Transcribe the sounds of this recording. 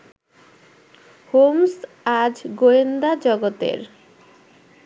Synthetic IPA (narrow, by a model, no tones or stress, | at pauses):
homs | ad͡ʑɡoend̪ad͡ʑɔɡot̪ḛɾ